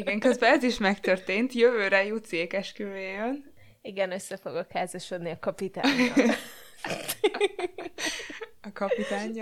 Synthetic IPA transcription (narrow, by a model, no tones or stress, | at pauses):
iɡɛŋkøzbɛɛziʃmɛkt̪ørt̪eːnt̪jøvøːɾɛjut̪seːkɛʃkøɾeːjøn | iɡɛnø̞sːɛfo̞̰ɡɒkhaːzɒʃo̞d̪niɒkɒpit̪a̰ː | ɒkɒpit̪aːɲː